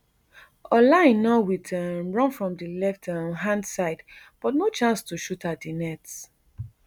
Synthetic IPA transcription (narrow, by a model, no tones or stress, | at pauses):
ɔlãnːɔwidɛmɹɔ̃nfɹɔ̃mdilɛftʰaɦãndsaɪdb̥ɔtnot͡ʃãnstuʃutat̚dinɛts